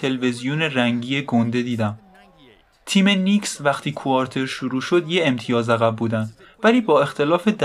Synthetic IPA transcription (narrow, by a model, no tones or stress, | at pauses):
t̪ʰe̞leve̞zijone̞ræŋɟiːje̞ɡond̪e̞d̪iːd̪æm | t̪ʰiːme̞niːksvæxt̪ʰiːkʰuɒːɾt̪ʰe̞ɾʃuɾuːʃo̞d̪jeemt̪ʰijɒːzæɣæbbuːd̪ænd̪ | væliːbɒːe̞xt̪ʰe̞lɒːfe̞d̪